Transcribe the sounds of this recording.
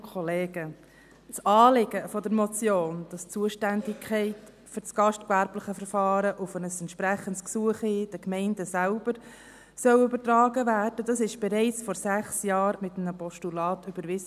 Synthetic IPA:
kʰɔleːɡ̥ə | t͡sɑːlɪɡ̥əfɔdəɾmɔt͡sjoːnd̥ɑst͡suəʃtændɪkʰɛɪt | fʏɾt͡sɡ̥ɑʃtkvæɾbləχəfəɾfɑːɾəʔʊfənəsɛntʃpɾæχəntsksuəχid̥əkmɛɪndəsælb̥əɾ | sœwʏbəɾtɾɑːɡəʋæːrd̥ədɑsɪʃb̥ɛɾɛɪt͡sfɔɾsæχsjɑːɾmɪtəmnəpɔʃtulɑːtyb̥əɾʋɪs

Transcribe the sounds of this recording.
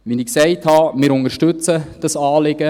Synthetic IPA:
ʋinɪksɛɪthɑmɪɾʊŋəɾʃtɵt͡səd̥ɑsɑːlɪɡ̥ə

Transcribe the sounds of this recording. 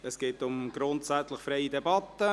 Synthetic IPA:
əsɡ̥eːtʊmɡ̥ɾʊntsæt͡sləχfɾeɪidɛbɑtːə

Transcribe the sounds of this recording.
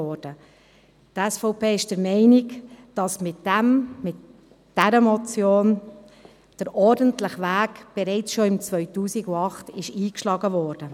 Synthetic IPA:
ɔːɾd̥ə | tɛsfɔʊpeːɪʃd̥əɾmɛɪnɪkd̥ɑsmɪtɛmmɪt | d̥ɛɾəmɔt͡sjoːn | d̥əɾʔɔɾdəntləχʋæːkb̥ɛɾɛɪt͡sʃoɪmt͡svœʏtuːsiɡʊɑχtɪʃiːkʃlɑːɡəvɔːɾd̥ə

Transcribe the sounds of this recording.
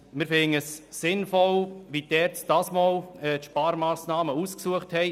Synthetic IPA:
mɪɾfɪŋəssɪnfɔlʋidɛːɾtd̥ɑːsmoːlɛːtʃpɑːɾmɑːsnɑːməuːsksuəχthɛɪ

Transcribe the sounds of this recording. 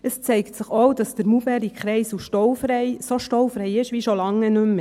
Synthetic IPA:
əst͡sɛɪktsəχowdɑsd̥əɾmubɛɾikχɾɛɪsuʃtɔwfɾɛɪsoʃtɔwfɾɛɪɪʃʋiʃolɑŋːənɵmːə

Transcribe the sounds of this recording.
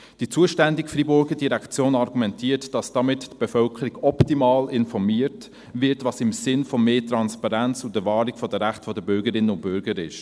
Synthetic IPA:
d̥it͡suəʃtændɪkfribʊɾɡədiɾækt͡sjoːnɑɾɡumɛntʰiːtd̥ɑsd̥ɑmɪttb̥ɛfœlkʰəɾiɡɔptimɑːlɪnfɔɾmiːəɾt | vɪɾtʋɑːsɪmsɪnfɔmeːtɾɑnspɑɾænt͡sʊdəvɑːɾikfɔdəɾæχtfɔdəbʏɾɡəɾɪnːənʊnt̚b̥ʏɾɡəɾɪ̰ʃ

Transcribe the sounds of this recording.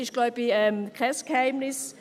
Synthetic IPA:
ɪʃlaʏbəɛmkʁɛsɡ̥əhaɪmnɪs

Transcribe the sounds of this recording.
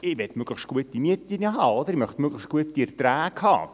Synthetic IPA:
ɪʋɛt̪møɡ̥ləχʃtɡ̥uət̪ːimiətlinəɦɑːod̪əɾimœχtmøɡləʃtɡ̥uət̪diɛɾt̪ɾæːɡhɑ̰ː

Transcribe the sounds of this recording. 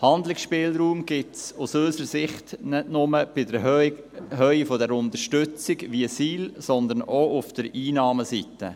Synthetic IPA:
hɑndlɪksʃpɪːlɾuːmɡ̥ɪtsusøʏsəɾəsɪχtnɛtnʊməb̥ɪdə | ɦœifɔdɛɾʊnd̪əɾʃtʏt͡sɪɡʋiəsiːlsɔnd̪ənoʔʊfd̥əɾiːnɑːməsitə̰

